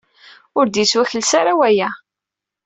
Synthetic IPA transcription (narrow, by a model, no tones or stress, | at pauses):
ʊɾd̪jit͡swæçəlsaɾawæjæ